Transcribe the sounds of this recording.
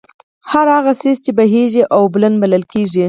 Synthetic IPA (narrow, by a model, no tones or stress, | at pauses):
haɾaɣasist͡ʃebaɦeʒiʔawblanbaləlkeʒi